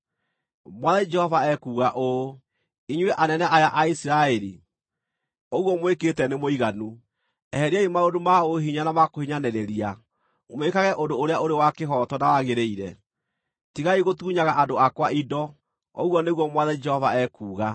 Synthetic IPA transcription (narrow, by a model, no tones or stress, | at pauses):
mwaðɛid͡ʒɛhɔvaɛkuːɣaʔo | iɲwɛʔanɛnɛʔajaʔaisiɾaɛɾḭ | oɣwɔmweketɛnemoiɣanu | ɛhɛɾiaimaodomaoɦiɲanamakohiɲanɛɾeɾia | mwekaɣɛʔodoːɾeaoɾewakeɦɔtɔnawaɣeɾeiɾɛ | tiɣaiɣotuːɲaɣaʔadoakwaʔidɔ | o̰ɣwɔneɣwɔmwaðɛd͡ʒɛhɔvaɛkuːɣa